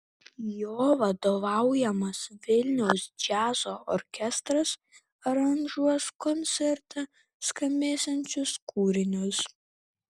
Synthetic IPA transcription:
joːʋɐd̪oːʋɑˑʊjɛmɐsʋʲɪlʲnʲɛʊsd͡ʒʲæːzoːʔɔɾʲkʲɛst̪ɾɐs | ɐɾɐnʒuɔskɔnʲsʲɛɾt̪ɑ | skɐmʲeːsʲɛnʲt͡ʃʲʊskʰuːɾʲɪnʲʊs

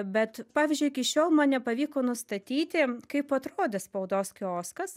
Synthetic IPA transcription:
bʲɛt̪pɑːʋʲɪzʲd͡ʒʲʊɪkʲɪʃʲoːlˠmɐnnʲɛpɐʋʲiːkoːnʊst̪ɐt̪ʲiːt̪ʲɪkɐɪpɐt̪ɾoːd̪ʲɛspɐʊd̪oːskʲoːskɐs

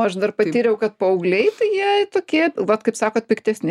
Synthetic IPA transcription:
ɐʃd̪ɐrpɐt̪ʲiːɾʲɛʊkɐt̪̚pɐɐʊɡlʲɛɪt̪ɐjiɛt̪oːkʲiɛʋɐt̪kɐɪpsɑːkoːt̪̚pʲɪkt̪ʲɛsʲnʲɪ

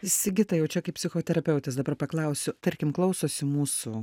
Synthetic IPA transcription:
ɪsʲɪɡʲɪt̪ɐjɛʊt͡ʃʲɛkɐɪpʲsʲɪxoːt̪ʲɛɾɐpʲɛʊt̪ʲɛsd̪ɐbɐrpɐklˠɐˑʊsʲʊt̪ɐɾʲkʲɪmklˠɐʊsoːsʲɪmuːsu

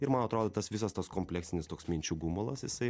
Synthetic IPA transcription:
ɪɾmɐnɐt̪ɾoːd̪ot̪ɐsʋʲɪs̬ɐst̪ɐskoːmʲpʲlʲɛːksʲɪnʲɪst̪oːksmʲinʲt͡ʃʲuɡumolˠɐsjɪsɐɪ

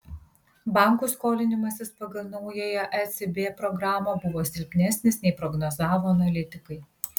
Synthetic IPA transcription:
bɑˑŋkuːskoːlʲɪnʲɪmɐsʲɪspɐɡɐlˠnɐʊjojɛʔɛsʲɪbʲeːpɾɔɡɾɑːmɐbʊʋoːsʲɪlʲpʲnʲæsʲnʲɪsnʲɛɪpɾɔɡnɔzɑːʋoːɐnɐlʲɪt̪ʲɪkɐɪ

